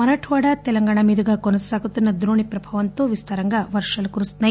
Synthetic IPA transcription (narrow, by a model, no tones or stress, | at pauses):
mɐɾaːʈʰuʋaːɽɐt̪ɛlɐŋɡaːɳɐmid̪uɡɐkonɐsaːɡut̪ːinːɐd̪ɾoːɳipɾɐbʱɐʋɐnt̪oːʋist̪ʰɐɾɐŋɡɐʋɐɾʂɐlkuɾust̪nɐ